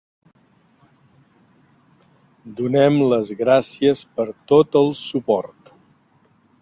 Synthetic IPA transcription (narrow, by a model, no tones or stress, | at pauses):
d̪unɛmləzɣɾasiəspəɾt̪ot̪əlˠsupɔɾt̪